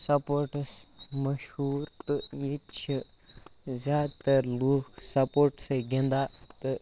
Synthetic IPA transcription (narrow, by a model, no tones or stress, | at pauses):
sɐpoɾʈsmɐʃuːɾt̪ɨjit͡ʃʰi | zʲaːd̪t̪ɐɾluːksɐpoːɾʈsɐɡẽnd̪aːt̪ɨ